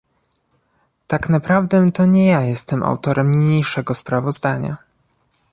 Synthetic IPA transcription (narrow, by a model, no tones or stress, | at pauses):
t̪aknapɾavd̪ɛt̪ɔɲɛjajɛst̪ɛmʔa̰wt̪ɔɾʔɛmmɲejʂɛɡɔspɾavɔzd̪aɲa̰